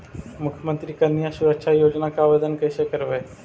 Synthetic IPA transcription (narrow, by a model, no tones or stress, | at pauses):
mukʰjəmənt̪ɾiːkənːijasuɾəkʂʰajod͡ʑnakaːʋed̪ənkəjsekəɾʋəj